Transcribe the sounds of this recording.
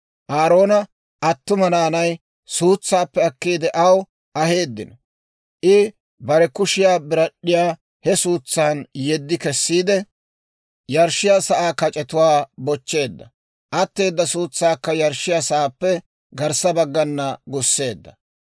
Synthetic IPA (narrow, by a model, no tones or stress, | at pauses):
ʔaːɾo̞ːnɐ | ʔɐt̪ːʊmɐnaːnɐj | suːt͡sːaːpːɛɐkːiːd̪ɛʔɐw | ʔɐhe̞ːd̪ːɪnɔ | ʔɪ | bɐɾɛkʊʃɪjaːbɪɾɐɗːɪjaː | hɛsuːt͡sːaːnjɛd̪ːɪkɛsːiːd̪ɛ | jɐɾʃːɪjaːsɐʔaːkːɐt͡ʃʼɛt̪ʊwaːbɔt͡ʃːe̞ːd̪ːɐ | ʔɐt̪ːe̞ːd̪ːɐsuːt͡sːaːkːɐjɐɾʃɪjaːsɐʔaːpːɛ | ɡɐɾsɐbɐɡːɐnːɐɡʊsːe̞ːd̪ːɐ